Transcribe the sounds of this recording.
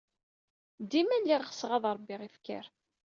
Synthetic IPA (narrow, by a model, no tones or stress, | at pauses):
d̪imælːiʁχə̥sʁɑðˤɾˤbːiʁifkə̰ɾ